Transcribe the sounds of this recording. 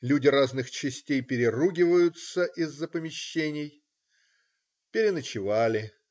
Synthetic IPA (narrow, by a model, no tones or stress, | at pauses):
lʲudʲɪɾaznɨxt͡ɕɪsʲtʲejpʲɪɾʲɪruɡʲɪvəjʊt̪səʔɪzːəpəmʲɪɕːenʲɪj | pʲɪɾʲɪnət͡ɕɪvalʲɪ